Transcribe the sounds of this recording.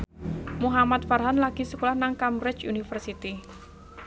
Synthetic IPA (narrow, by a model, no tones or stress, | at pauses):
muɦamat̪farɦanlaɡ̥isəkolahnaŋkambɾɪt͡ʃunifərsit̪i